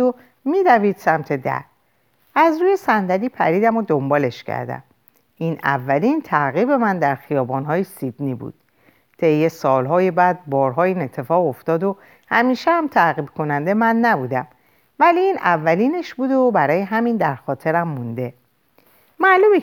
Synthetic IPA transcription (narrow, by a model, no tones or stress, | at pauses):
o | miːd̪æviːd̪̥sæmt̪ʰe̞d̪æ̰ɾ | æzɾuːjesænd̪æɾiːpʰæ̰ɾiːd̪æmod̪o̞mbɒːle̞ʃcʰæ̰ɾd̪æ̰m | iːnʔæ̰vːæliːnt̪ʰæʁɣiːbe̞mænd̪æɾxijɒːbɒnɦɒːjesid̪̥niːbṵd̪̥̚ | t̪ʰe̞jːesɒːlɦɒːjebæd̪̚bɒːɾɦɒːiːne̞t̪ʰːe̞fɒːɣo̞ft̪ɒːd̪o | hæmiːʃehæmt̪ʰæɣiːbkʰo̞nænd̪emænːæbuːd̪æm | væliiːnævːæliːne̞ʃbuːd̪obæɾɒːje̞ɦæmiːnd̪æɾxɒːt̪ʰe̞ɾæmːund̪e̞ | mæʔluːme